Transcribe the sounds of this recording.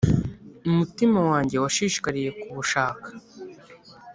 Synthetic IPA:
umutimawaːɲɟe̞waʃiːʃi̥kaɾije̞kuβuʃaːkḁ

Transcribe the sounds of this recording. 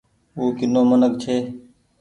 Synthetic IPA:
uːkɪnoːmənək̚t͡ʃʰeː

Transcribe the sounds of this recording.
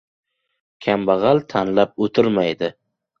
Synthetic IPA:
kʲʰambɑʁɑlt̪ʰanlap̚ot̪ʰɪɾmajd̪ɪ

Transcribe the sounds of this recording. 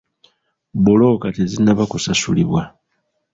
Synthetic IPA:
bulo̞katezinːaβakusasuliβwa

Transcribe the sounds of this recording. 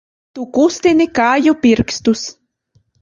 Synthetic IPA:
t̪ukust̪inikaːjupiɾkst̪us

